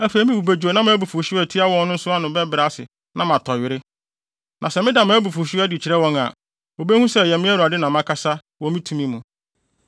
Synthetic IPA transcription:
æ˦fe˨˦mĩ˦bu˨be˨d͡ʑᶣu˨o˨nã˦mãː˨˦bu˨fu˨ɕɪ˦ɛ˨tʰi˦a˦wɔ̃˦nnʊ̃˦n̩˦sʊ˦a˦nʊ̃˨bɛ˦bɪ˨ɾa˦sɪ̰˨ | nã˦mã˨tʰɔ˨ɥɪ˨ɾɪ˦ | nʔã˨sɛ˨mɪ̃˦da˨mã˨˦bu˨fu˨ɕɪ˦æ˦dɪ˨t͡ɕʰɪ˨ɾɛ˦wɔ̃˦ŋa̰˨ | o˨be˦hũ˦sɛ˦˨jɛ˨mɪ̃˦æ˦ɾu˨a˨dɪ˦nã˨mã˦kʰa˦sa˦ | wɔ̃˨mĩ˦tʰũ˨mĩ˦mũ˨

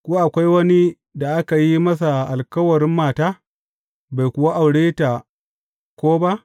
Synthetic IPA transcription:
kʷo˦ʔa˨kʷa˦jwɐ˦ni˦ | da˨ʔa˦ka˨ji˦mɐ˦s̬a˨ʔa˨lkɐ˦wɐ˨ɾɪ˦mːaː˨taː˦ | ba˨jkʷʊ˨wa˦ʔa˨wɽeː˦ta˨ | kʷoː˦ba˦ʔ

